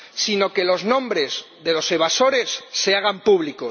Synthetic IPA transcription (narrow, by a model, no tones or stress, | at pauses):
sino̞ke̞lo̞znõ̞mbɾe̞z | ðe̞lo̞se̞β̞aso̞ɾe̞sːeaɣ̞ampuβliko